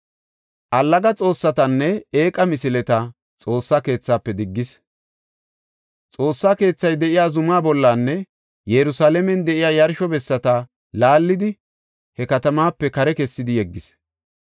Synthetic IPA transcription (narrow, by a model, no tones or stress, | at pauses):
ʔɐlːɐɡɐt͡sʼo̞ːsːɐt̪ɐnːɛe̞ːkʼɐmɪsɪlɛt̪ɐ | t͡sʼo̞ːsːaːke̞ːt͡sːaːpːɛd̪ɪɡːɪs | t͡sʼo̞ːsːaːke̞ːt͡sːɐjd̪ɛʔɪjaːzʊmaːbɔlːanːɛ | jɛɾʊsaːlɛmɛnd̪ɛʔɪjaːjɐɾʃɔbɛsːɐt̪ɐ | laːlːɪd̪ɪ | hɛkɐt̪ɐmaːpːɛkɐɾɛkɛsːɪd̪ɪjɛɡːɪs